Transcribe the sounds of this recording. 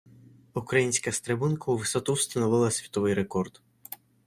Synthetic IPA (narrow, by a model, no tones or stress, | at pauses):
ukɾɐjinʲsʲkɐst̪ɾebunkɐuʋɪsɔt̪uwst̪ɐnɔʋɪlˠɐsʲʋʲi̥t̪ɔʋɪjɾekɔrd̪̥